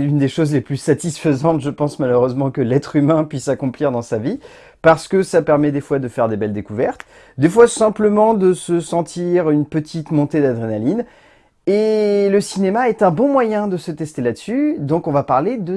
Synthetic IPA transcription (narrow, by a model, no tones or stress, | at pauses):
ynd̪eʃozleplysat̪isfəzɑ̃t̪ʒəpɑ̃smaløʁøzmɑ̃kəlɛt̪χymɛ̃pɥisakɔ̃pliʁd̪ɑ̃savi | paʁsə̥kəsapɛʁmɛd̪efwad̪əfɛʁd̪ebɛld̪ekuvɛʁt̪ | d̪efwasɛ̃pləmɑ̃d̪əsəsɑ̃t̪ʰiʁynpət̪ʰit̪mɔ̃t̪ed̪ad̪ʁenalin | eləsinemaɛt̪ɛ̃bɔ̃mwajɛ̃d̪əsət̪ɛst̪elad̪əsyd̪ɔ̃kɔ̃vapaʁled̪ə